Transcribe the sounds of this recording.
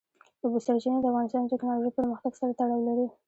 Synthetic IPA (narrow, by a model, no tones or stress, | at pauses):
d̪əbusaɾt͡ʃined̪əafɣɑnɪst̪ɑnətɪknɑloʒijpəɾməxt̪aɡsaɾat̪aɽɑwlaɾi